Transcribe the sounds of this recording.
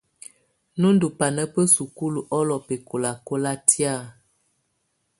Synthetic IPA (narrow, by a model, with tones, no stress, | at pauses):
nu˦ndu˨pa˨nə˦pə˦su˨ku˦lu˨ʔɔ˦lɔ˨pe˨ko˨la˨ko˦la˦tja˦˨